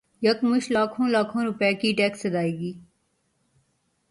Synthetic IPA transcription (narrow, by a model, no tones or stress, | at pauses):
jəkmʊʃlaːkʰõːlaːkʰõːɾʊpɛːkiːʈɛːksəd̪aːeːɡiː